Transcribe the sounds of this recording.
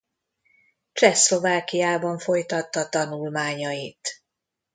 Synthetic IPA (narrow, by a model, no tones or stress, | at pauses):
t͡ʃɛslo̞vaːkijaːbɒɱfo̞jt̪ɒt̪ːɒt̪ɒnulmaːɲɒjit̪